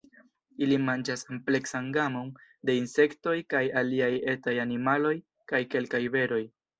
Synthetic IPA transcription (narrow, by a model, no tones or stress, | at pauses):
ilimand͡ʒasomple̞ksanɡamo̞nde̞inse̞kto̞jkajaliaje̞tajanimalo̞j | kajke̞lkajve̞ɾo̞j